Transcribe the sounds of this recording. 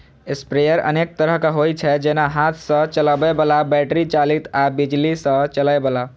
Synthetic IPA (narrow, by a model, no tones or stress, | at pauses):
espɾejəɾə̰nek̚t̪əɾəɦkaɦojt͡ʃʰɛd͡ʒenaɦat̪ʰsə̃t͡ʃələbɛbəlabɛʈɾit͡ʃalit̪abid͡ʒlisə̃t͡ʃəlaebəla